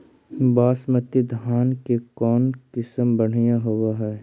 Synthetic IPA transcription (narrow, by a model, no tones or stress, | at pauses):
baːsmət̪id̪ʱaːnkekɔːnkɪsəmbɐɽ̤ijãɦoɡaɦɛː